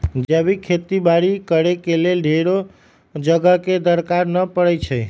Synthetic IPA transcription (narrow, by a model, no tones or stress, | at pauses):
d͡ʒəbikʰet̪ibaɽikəɾekelelɖʱeɾo | d͡ʒəɡəked̪əɾkaɾnəpəɽɛjt͡ʃʰə